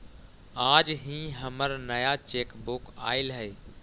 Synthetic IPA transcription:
aːd͡ʒɦĩːɦəməɾnəjat͡ʃeːkbʊka̰ːɪlɦəeː

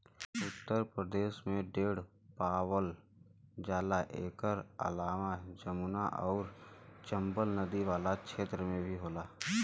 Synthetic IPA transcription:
ʊt̪ːəɾpɾəd̪eːʃmẽɖeːɽ | paːwəl | d͡ʒaːlaʔeːkəɾə̰laːmad͡ʒəmuːna̰ʔɔːɾt͡ʃə̃mbəlnəd̪iʋaːlakʃeːt̪ɾəmẽbʱiɦoːlaː

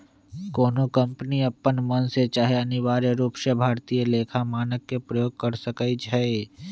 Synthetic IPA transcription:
koːnokə̃mpəniəpːənmənset͡ʃaːɦeɐniʋaːɾeɾuːpʃəbʱaːɾt̪ieleːkʰamaːnəkːepɾəjoːɡ̚kəɾsəkəid͡ʒʰʱəe

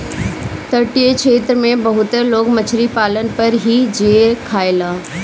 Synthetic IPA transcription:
t̪ɐʈiet͡ʃʰeːt̪ɾəmẽbɐɦʊt̪əɾloːkmɐt͡ɕʰɾipaːlənɪ̆pɐɾɦid͡ʑeːkʰaːelaː

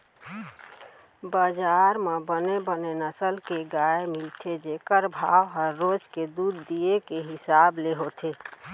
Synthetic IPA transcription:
bad͡ʒaɾmebənebənenəsəlkeɡaemɪlt̪ʰed͡ʒekəɾbʱaʋɦəɾːod͡ʒked̪ud̪ːiekeɦɪsableɦot̪ʰe

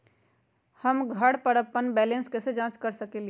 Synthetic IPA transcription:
həmɡʱəɽpəɾəpːənbɛːlẽnskɛsed͡ʒãt͡ʃkəɾsəkele

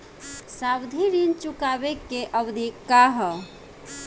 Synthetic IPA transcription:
sabd̪ʱiɾint͡ʃukabekːeʔəbd̪ʱikːaɦə

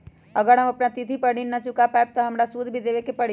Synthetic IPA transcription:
ɐɡəɾɦɐmɐpnat̪it̪ʰipɐɽinːat͡ʃʊkapɛːp̚t̪ɐɦɐmɾasuːd̪ʱbʱid̪eːʋekepɐɽi

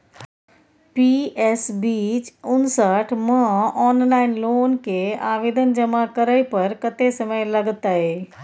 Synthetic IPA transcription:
piːɛsbiːt͡ʃʊnsəʈʰmə̃ɔːnlaːɪnloːnkeaːʋeːd̪ənd͡ʒəmakəɾəjpɐɾkət̪esəməjlɐɡt̪aɦeː

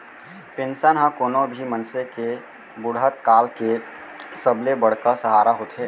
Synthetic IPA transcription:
pensənɦə̃koːnobʱimənseke | bʊɽɦət̪̚kaːlke | səblebəɽ̤kəsəɦaːɾaɦot̪ɦeː

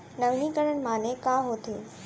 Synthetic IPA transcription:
nəʋnikəɾəɳmãːnekãːɦot̪eː

